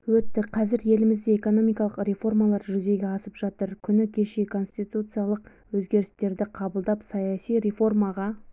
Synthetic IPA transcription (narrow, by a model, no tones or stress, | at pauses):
wɵt̪ːɪqʰɑzɪɾje̞lɪmɪzd̪eeko̞no̞mijkɑlˠəqɾe̞fo̞rmɑlˠɑɾʒʏze̞ɡʲe̞ɑsəpʒ̥ɑt̪əɾkʲʰʏnɪkʲʰe̞ʃe̞kʰo̞nst̪ijt̪ut̪sɨjalˠəq | wɵzɡʲe̞ɾɪst̪e̞ɾd̪ɪqʰɑbəlˠd̪ɑpsɑjɑsijɾe̞fo̞rmɑʁɑ